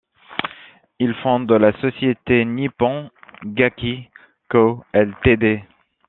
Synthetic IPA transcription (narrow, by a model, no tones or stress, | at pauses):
ilfɔ̃d̪əlasɔsjet̪enipɑ̃ɡakʲi | koɛlt̪ed̪e